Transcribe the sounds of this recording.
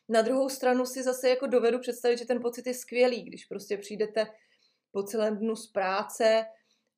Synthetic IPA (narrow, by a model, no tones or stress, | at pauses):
nad̪ɾuɦo̞wst̪ɾanusɪzasɛjako̞do̞vɛdupr̝̥ɛt̪st̪avɪt̪ʒɛt̪ɛnpo̞t͡sɪt̪jɛskvɪjɛliːɡdɪʃpɾo̞scɛpr̝̥ijdɛt̪ɛ | po̞t͡sɛlɛːmdnuspɾaːt͡sɛ